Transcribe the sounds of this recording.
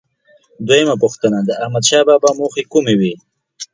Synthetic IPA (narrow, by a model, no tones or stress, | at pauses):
d̪wojəmapʊxt̪ənad̪əahmad̪ʃɑːbɑːbɑmoxekumewi